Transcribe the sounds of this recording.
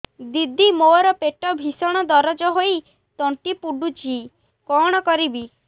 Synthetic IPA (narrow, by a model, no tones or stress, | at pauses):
d̪id̪ʱimoɔɾɔpeʈɔbʱisɔɽ̃ɔd̪ɔɾɔd͡ʒɔɦoi | t̪ɔɳʈipuɖut͡ʃi | kɔɽ̃ɔkɔɾibi